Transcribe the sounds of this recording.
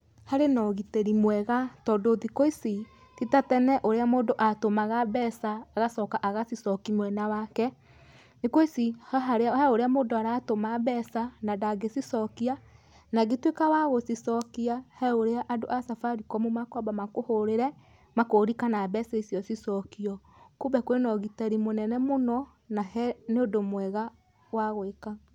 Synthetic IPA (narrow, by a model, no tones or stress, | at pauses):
haɾenɔɣiteɾimwɛɣatɔdoðikoisi | titatɛnɛʔoɾeamoːndoʔatomaɣabɛsaːɣasɔkaʔaɣasisɔkimwɛnawakɛ | nekwoisihaɦaɾeɛoɾeamoːndoaɾatomaβɛsanadaɡesisɔkia | naɣetwekawaɣosisɔkiahɛoɾeaʔadoʔasafaɾikɔmomakɔbamakohoɾeɾɛ | makoɾikanabɛsaisiɔsisɔkiɔ | kubɛkwenɔɣitaɾimonɛnɛmonɔ | nahɛneodomwɛɣa | waɣweka